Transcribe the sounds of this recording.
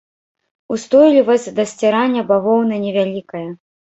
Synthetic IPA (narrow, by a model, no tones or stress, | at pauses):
ust̪ɔjlʲivɐsʲd̪ɐsʲt͡sʲɛɾanʲːɐbaɣɔwnɐnʲɛvʲalʲikɐjɐ